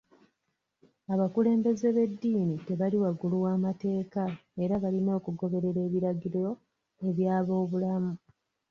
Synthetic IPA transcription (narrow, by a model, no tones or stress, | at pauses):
aβakule̞ːmbe̞ze̞βe̞dːiːnite̞βaliwaɡuluwaːmate̞ːkae̞ɾaβalino̞ːkuɡo̞βe̞ɾe̞ɾe̞ːβiɾaɡiɾoo | e̞βjaːβo̞ːβulamu